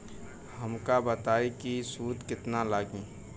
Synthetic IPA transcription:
hɐmkabət̪aːikisuːd̪kɪt̪nalaːɡĩː

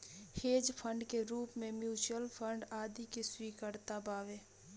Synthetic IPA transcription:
heːd͡ʒpʰə̃ɳɖkeɾuːpmẽmjuːt͡ʃəlpʰə̃ɳɖaːd̪ikiswiːkəɾt̪abaːʋeː

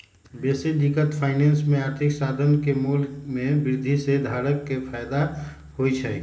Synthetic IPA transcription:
beːsed̪ɪkət̪pʰaːɪnẽːnsmẽaːɾt̪ʰɪksaːd̪ʱənkemuːlmẽbɪɾɪd̪ʱised̪ʱaːɾəkːepʰaːjd̪a | hoit͡ʃʰɛ

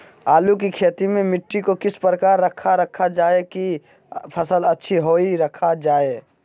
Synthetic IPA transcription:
aːluk̬ikʰeːt̪imẽmɪʈːikokɪspɾəkaːɾːəkʰːaɾəkʰad͡ʒaːeki | pʰɐsəlɐtːʃʰiɦoːiɾɐkʰad͡ʒaːeː

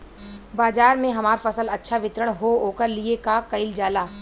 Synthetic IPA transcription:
baːd͡ʒaːɾmẽɦɐmaːɾfɐsəlɐtːʃʰaʋɪt̪ɾəɽ̃ɦooːkəɾliekakɐɪld͡ʒaːlaː

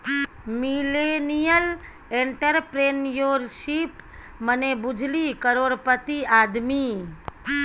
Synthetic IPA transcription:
milenijəl | eɳʈəɾpɾeːnjoːɾʃip | mənebʊd͡ʒʱlikəɾoːɾpət̪iaːd̪mi

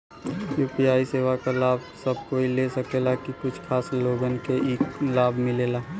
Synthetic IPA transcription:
juːpijaːiseːʋakalaːbsəb̚ʱkoːilesəkeːlakikʊt͡ʃʰkʰaːsloːɡənkeiːklaːbʱmɪleːlaː

